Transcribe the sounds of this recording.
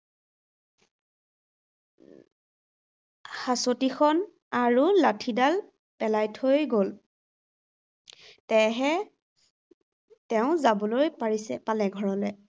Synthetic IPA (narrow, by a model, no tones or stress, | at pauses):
xasotikʰɔn | aɹulatʰidal | pɛlajtʰojɡol | tɛɦɛ | tɛʊ̃zabɔlojpaɹisɛpalɛɡʱɔɹɔlɛ